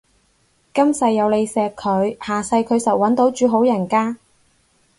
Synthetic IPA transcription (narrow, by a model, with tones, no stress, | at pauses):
kɐ˥msɐ˨˧jːɐ˨˧wle˨˧jsɛː˨˧kʰːɵ˨˧ɥhaː˨sɐ˧jkʰɵ˨˧ɥsɐ˨˩wːɐ˨˥nt̪o˨˥wt͡ʃyː˨˧ɦo˨˥wjɐ˨˩nkaː˥